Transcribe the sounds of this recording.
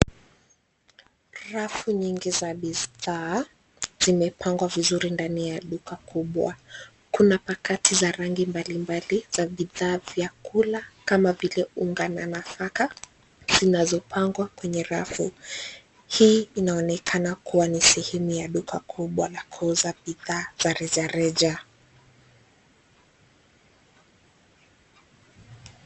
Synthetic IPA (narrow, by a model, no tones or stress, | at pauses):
ɾafuɲiŋɡizaɓiðaː | z̥imɛpʰaŋɡwavizuɾindanijaɗukakuɓwa̰ | kunapakatʰizaɾaŋɡimbalimbaliz̥aɓiðaːvjakulakamavilɛuŋɡananafaka | z̥inazɔpʰaŋɡwakwɛɲɛɾafu | hiːinaɔnɛkʰanakuwanisɛhɛmujaɗukʰakʰuɓwalakʰɔzaɓiðaːz̥aɾɛʄaɾɛd͡ʒa